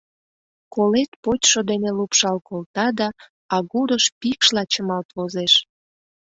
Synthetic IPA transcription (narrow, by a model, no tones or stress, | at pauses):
kolet̪pot͡ɕʃod̪enelupʃɑlkolt̪ɑd̪ɑ | ɑɣuɾəʃpikʃlɑt͡ɕəmɑlt̪βozeʃ